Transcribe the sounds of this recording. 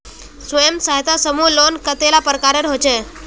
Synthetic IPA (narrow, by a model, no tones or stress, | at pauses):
sʋəjəmsaɦjt̪asəmulonkət̪elapəɾkaɾeɾɦot͡ʃe